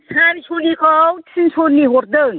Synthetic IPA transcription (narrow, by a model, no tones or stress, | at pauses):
sʰansʰonikʰɔwtʰinsʰonːiɦoɾd̪ɯŋ